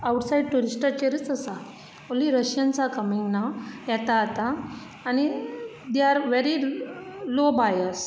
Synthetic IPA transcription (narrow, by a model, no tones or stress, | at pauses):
awʈsaiɖ̚ʈuɾisʈat͡ɕeɾət͡səsa | oliɾəɕjant͡sakəmiŋɡnajɛt̪at̪aː | ñi | d̪jaɾʋeɾi | lobajəs